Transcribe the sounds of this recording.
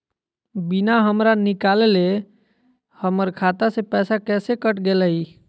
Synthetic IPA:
binaɦəmɾanikalele | həməɾkʰat̪asepɛsakɛsekəʈɡeləi

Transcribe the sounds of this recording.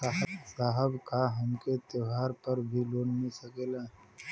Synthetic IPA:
aɦəsaːɦəbkaɦɐmket̪jəɦaːɾpəɾbʱiloːnmesɐkeːlaː

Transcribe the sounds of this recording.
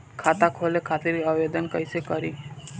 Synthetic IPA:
kʰat̪akʰolekʰat̪iɾiəʋed̪ənkəjsekəɾi

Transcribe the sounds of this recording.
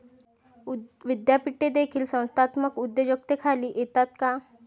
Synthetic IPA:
ʋɪd̪japiʈːed̪ekʰiːlsə̃w̃st̪ʰaːt̪məkʊd̪ːəd͡ʑək̚t̪ekʰaliʔet̪at̪ka

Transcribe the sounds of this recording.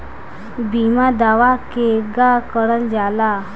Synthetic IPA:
bimad̪aʋakeɡakəɽənd͡ʑala

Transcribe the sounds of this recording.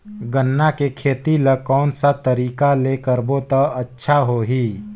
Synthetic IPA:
ɡənːakekʰeːt̪iləkɔːnsat̪əɾiːkalekəɾbot̪əɐtːʃʰaɦoːɦiː

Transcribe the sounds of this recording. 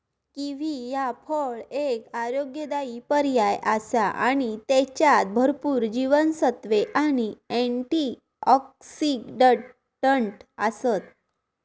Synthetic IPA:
kĩʋ̤ijapʰəɭekaɾoɡjəd̪aipəɾjajʔasaʔa̰ɽ̃it̪ɛt͡ɕjat̪̚bʱəɾpuːɾd͡ʑiʋənsət̪ʋeʔañiɛ̃ɳʈi | ɔksiɡɖə | ɖəɳʈasət̪̚

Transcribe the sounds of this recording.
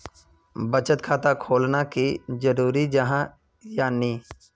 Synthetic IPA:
bət͡ʃət̪̚kʰaːt̪akʰoːlnakid͡ʒəɾuːɾid͡ʒəɦã | jaːniː

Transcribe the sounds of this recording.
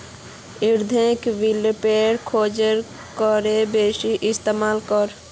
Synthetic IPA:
iɾd̪ʱẽkʋilpeɾkʰod͡ʒəɾ | kəɾebesiʔɪst̪emaːlkəɾ

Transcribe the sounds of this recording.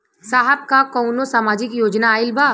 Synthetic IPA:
saːɦɛb̚kakɔːnosaːmaːd͡ʒɪkjoːd͡ʒnaːɪlbʱaː

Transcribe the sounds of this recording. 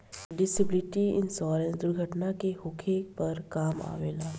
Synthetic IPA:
ɖɪsəblɪʈiɪ̰nsɔːɾẽnsd̪ʊɾɡʱəʈnakehʊkʰepɐɾkaːma̰ːʋeːlaː

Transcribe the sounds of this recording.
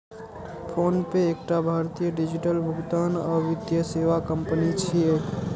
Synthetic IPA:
pʰonpeːk̚ʈabʱaɾt̪ijəɖid͡ʒiʈəlbʱuɡt̪anɔːɾʋɪd̪jəseʋakəmpənit͡ʃʰie

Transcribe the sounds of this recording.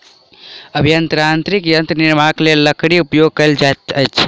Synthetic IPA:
əbʱjənt̪ɾant̪ɾikjənt̪niɾmaklelːəkʰɽiupjoɡ̚kəld͡ʒat̪əjt͡ʃʰ

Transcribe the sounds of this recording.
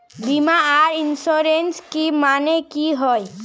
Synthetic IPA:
bimaaːɾɪnsoːɾenskimaːnekiɦoːj

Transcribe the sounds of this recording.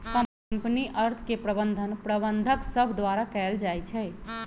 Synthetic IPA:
kə | mpniʔəɾt̪ʰkepɾəbənd̪ʱənpɾəbənd̪ʱəksəbʱd̪ʋaɾakɛld͡ʒajt͡ʃʰɛɪ

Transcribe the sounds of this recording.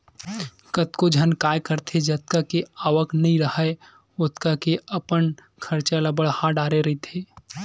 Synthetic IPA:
kət̪kod͡ʒʱənkaːjkəɾt̪ʰed͡ʒət̪̚kakeaːʋəknɐɦĩɾəhəe | ʊt̪kakeɐpən | kʰɐɾt͡ʃalɐbəɭhaɖaːɾeɾɐɦit̪ʰeː

